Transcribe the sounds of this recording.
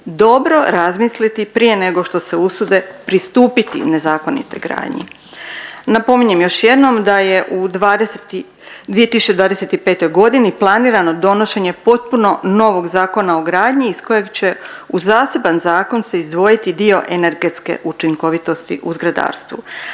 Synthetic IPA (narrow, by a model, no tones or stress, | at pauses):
d̪o̞bɾo̞ɾazmislit̪ipɾije̞ne̞ɡo̞ʃt̪o̞seusud̪e̞pɾist̪uːpit̪ḭne̞zaːko̞nḭt̪o̞̰jɡɾa̰ːd̪ɲḭ | napo̞miɲemjo̞ʃje̞d̪no̞md̪aje̞ʔud̪ad̪e | d̪ʋijet̪isu̥t͡ɕed̪ʋaːd̪e̞set̪ipe̞ːt̪o̞jɡo̞d̪iniplˠaniːɾano̞d̪o̞no̞ʃe̞ɲe̞po̞t̪̚puno̞no̞ʋo̞ɡzaːko̞nao̞ɡɾaːd̪ɲiːsko̞je̞ɡt͡ɕe̞uzaːse̞banzaːko̞nse̞izd̪ʋo̞jit̪id̪io̞ʔene̞ɾɡe̞t̪ske̞̰ʔut͡ʃiŋko̞ʋit̪o̞st̪ḭʔuzɡɾad̪a̰ːɾst̪ʋṵ